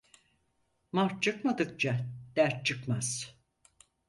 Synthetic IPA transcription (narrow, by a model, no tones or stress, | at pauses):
maɾt͡ʃʰɯkmad̪ɯk̚t͡ʃʰad̪̥æɾt͡ʃʰɯkmaz̥